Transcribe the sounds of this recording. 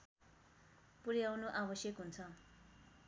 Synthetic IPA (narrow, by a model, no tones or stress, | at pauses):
puɾjawnoʔabʌsjʌkɦunt͡sʰʌ